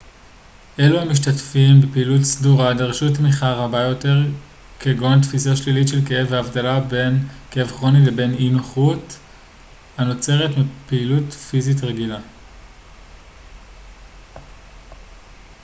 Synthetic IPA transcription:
ʔe̞luhamiʃ̬tatfimbepeilutsduʁadeʁʃutmiχaʁabajo̞te̞ʁ | keɡo̞ntfisaʃlilitʃelkeevaːvdalabe̞nkeevχo̞nilebe̞ninoχut | ano̞t͡se̞ʁetmipeilutfizit̬ʁeɡila

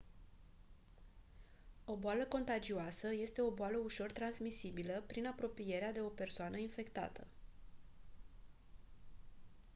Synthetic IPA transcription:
o̞boaləko̞nt̪ad͡ʒioasəje̞st̪e̞o̞boaləuʃo̞rt̪ɾansmisibiləpɾinapɾo̞pije̞ɾead̪e̞o̞pe̞rsoanəinfe̞kt̪a̰t̪ə

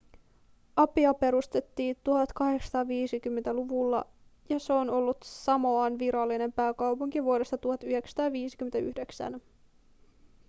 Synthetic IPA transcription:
ʔɑpiɑpe̞ɾust̪e̞t̪ːiːt̪uɦɑt̪kɑɦe̞ksɑ̥t̪ɑːʋiːsik̟ymːent̪æluʋulːɑ | jɑseono̞lːut̪sɑmo̞ɑnʋiɾɑlːine̞mpæːkɑwpuŋk̟iʋuode̞st̪ɑt̪uhɑt̪yhe̞ksɑ̥t̪ɑːʋiːsi̥kyment̪æyhde̞ksæ̰n

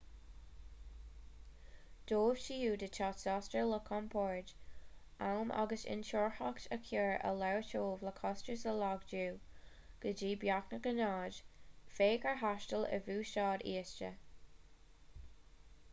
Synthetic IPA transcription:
d̪̥oːv̥ʃijuːdət͡ʃʰɑːtsɑstələkʰɔmpʰɔɹd͡ʒ | ʔawmʔa̰ɡəsɪ̰nt͡ʃʰɔɹhaktəkʰɪɹʔə̰lɛɹət͡ʃʰoːvləkʰɔstɹəsəlɑɡd͡ʒuː | ɡ̥əd͡ʒiːbjaknəkənɑːd͡ʒfeːkəɹɦaʃtələ̰vuːʃɑːdiːst͡ʃə̰

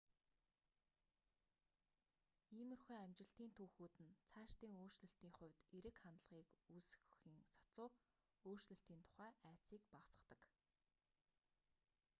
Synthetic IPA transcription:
iːmɵ̆rxeːŋæmt͡ɕɪ̆ɬt̪iːnt̪ʰuːxuːt̪ɘ̆nt͡sʰaːʃt̪iːŋoːr̥t͡ɕɮɘ̆ɬt̪iːŋχʊ̟wʲt̪eɾɘ̆kχant̪ɮʁiːkusxxiːŋsḁt͡sʊː | oːr̥t͡ɕɮɘ̆ɬt̪iːnt̪ʰʊ̥χæːʔæːt͡siːkpaʁsə̥̆χt̪ə̆k

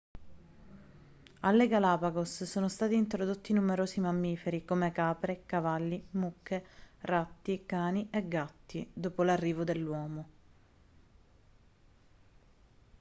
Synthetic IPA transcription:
alːeɡalaːpaɡossoːnost̪aːt̪iːnt̪ɾod̪ot̪ːinumeɾoːsimamːiːfeɾikomekaːpɾekavalːimukːerat̪ːikaːniʔeɡːat̪ːid̪oːpolarːiːvod̪elːwɔːmo

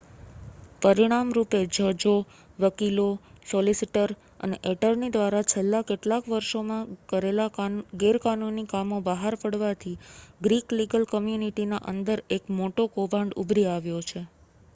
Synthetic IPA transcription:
pəɾiɽ̃amɾuped͡ʒəd͡ʒo | ʋəkilosɔlisiʈəɾ | ə̰neʔeʈəɾnid̪ʋaɾat͡ʃʰelːakeʈlakʋəɾʃomãkəɾelaɡeɾkanunːikamobəɦaɾpəɽʋat̪ʰiɡɾikliɡəlkəmjuniʈinaʔə̰nd̪əɾekmoʈokobãɳɖṵbʱɾiaʋjot͡ʃʰe

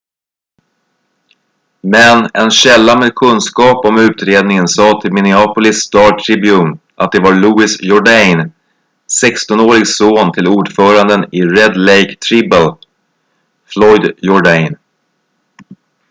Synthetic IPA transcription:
mɛnɛnɕɛlːameːd̪̚kʰɵnskɑːpɔmʉ̟ːt̪ɾeːd̪nɪŋənsɑːt̪ʰɪlmɪnɪɑːpʊlɪst̪ɑːʈʰɾɪbjuːn | ʔat̪̚d̪ɛvaɾɭuːɪsjɔɖajn | sɛkst̪ɔnoːɾɪɡsoːnt̪ʰɪluːɖfœːɾand̪ənɪɾɛd̪lɛjkt̪ʰɾɪbəl | flɔjd̪jɔɖajn

